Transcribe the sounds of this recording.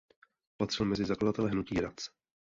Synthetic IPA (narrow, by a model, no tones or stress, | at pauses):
pat̪r̥ɪlmɛzɪzakladat̪ɛlɛɦnuciːɾat͡s